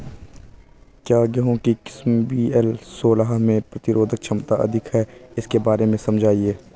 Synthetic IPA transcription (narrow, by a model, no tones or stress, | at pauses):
kjaːɡɛɦõkikɪ̥smbiːɛlsoːlaɦmẽpɾɐt̪ɪɾoːd̪ʱək̚t͡ʃʰɐmt̪aʔɐ̰d̪ʱɪkɦɛɪskebaːɾemẽsɐ̃md͡ʒʱaːieː